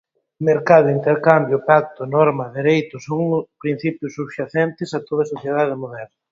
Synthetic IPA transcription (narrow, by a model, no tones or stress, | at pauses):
meɾkaðʊint̪eɾkambjopak̚t̪ʊnɔɾmɐðeɾejt̪ʊsoŋpɾin̟θipjʊsːuβʃaθɛnt̪ɪsat̪oðɐsoθjeðaðemoðɛɾnɐ